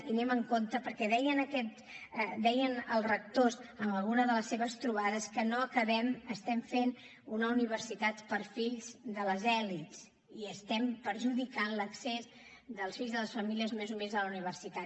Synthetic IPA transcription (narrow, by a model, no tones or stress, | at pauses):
t̪inɛməŋkont̪əpəɾkɛðɛjənəkɛt̪ | d̪ɛjənəlˠrək̚t̪ozənləlɣunəðələsːeβəst̪ɾuβ̞aðəskənoəkəβɛməst̪ɛmfen | unəuniβ̞əɾsit̪at̪pəɾfiʎzd̪ələzɛlits | iəst̪ɛmpəɾʒuðikanləksez | d̪əlˠsfiʎzðələsfəmiliəzmezumezðələuniβ̞ərsit̪a